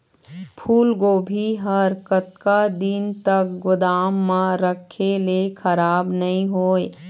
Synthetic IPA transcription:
pʰuːlɡoːbʱiɦəɾkət̪̚kad̪int̪ək̚ɡʊd̪aːmːãɾəkʰːelekʰəɾaːbnɐɦĩɦoːe

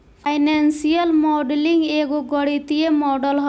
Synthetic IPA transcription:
pʰajnansijəlmɔɖliŋɡeɡoɡɔɽit̪iemɔɖəlɦɔ

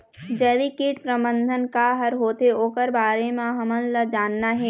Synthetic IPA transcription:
d͡ʒɛːlikeːʈpɾəbə̃nd̪ʱənkaɦɐɾɦoːt̪eoːkəɾbaːɾemãɦɐmənlɐd͡ʒaːnːaɦɛː

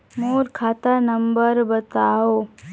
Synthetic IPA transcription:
moːɾkʰaːt̪anəmbəɾbət̪aːoː

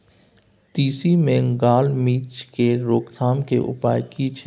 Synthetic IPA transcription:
t̪iːsimẽŋɡaːlmiːt͡ʃkeɾoːkt̪ʰaːmkḛʔʊ̰pa̰ːjkit͡ʃʰ

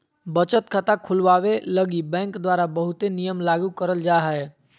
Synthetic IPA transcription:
bət͡ʃət̪kʰət̪akʰʊlʋaːʋeləɡibɛ̃ːŋkd̪waːɾabəɦʊt̪enijəmlaːɡukəɾəld͡ʒaːɦɛ

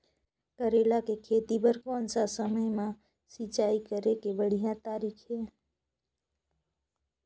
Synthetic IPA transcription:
kəɾeːlakekʰeːt̪ibəɾkoːnsasəməjmã | sit͡ʃaːikəɾekebəɽ̤ijãt̪aːɾiːkʰɦeː

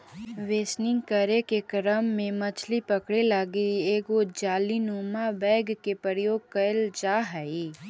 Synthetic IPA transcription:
ʋeːsnɪ̃ŋɡkəɾekekɾəmːẽmɐt͡ʃʰlipəkɽelaɡieːɡod͡ʒaːlinoːmabɛːɡkepəɾjoːɡ̚kəld͡ʒaːɦəi

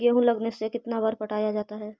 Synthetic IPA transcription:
ɡeɦũlɐɡnesekɪt̪nabaɾpɐʈaːjad͡ʒaːt̪aɦɛː

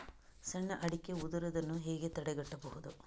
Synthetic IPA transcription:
sɐɳːɐʔɐɽikːeud̪uɾɐd̪ɐnːuɦeːɡet̪ɐɽɛɡɐʈːɐbɐɦud̪u

